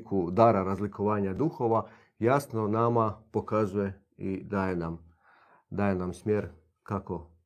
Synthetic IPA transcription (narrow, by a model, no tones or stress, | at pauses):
kʰud̪aɾaɾazlikoʋaːɲad̪uxo̞ʋa | jasno̞namapo̞kazuje | id̪aːjenam | d̪aːjenamsmjeɾ | kako̞